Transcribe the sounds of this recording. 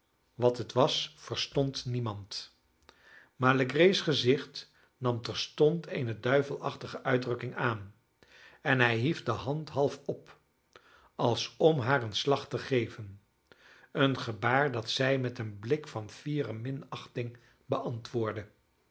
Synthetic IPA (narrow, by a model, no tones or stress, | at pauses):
ʋɑtətʋɑsfəɹstɔntnimɑnt | maːɹləɡrejsχəzɪχt | nɑmtɛɹstɔntʰḛːjnədœɥvəlˠɑχtəχəʔœɥdrɵkɪŋaːn | ɛnɦɛjɦifdəɦɑntɦɑlˠfɔp | ɑlˠsɔmɦaːɹənslɑχtəχejvən | ənχəbaːɹdɑtsɛjmɛtənblɪkfɑnfiːrəmɪnɑχtɪŋ | bəʔɑntʋʊːɹdə